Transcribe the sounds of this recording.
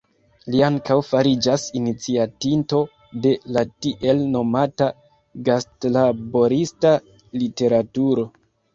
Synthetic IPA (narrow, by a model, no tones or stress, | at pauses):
liaŋkawfaɾid͡ʒasinit͡siatinto̞ | de̞latiʔe̞lno̞mata | ɡastlabo̞ɾista | lite̞ɾatuɾo̞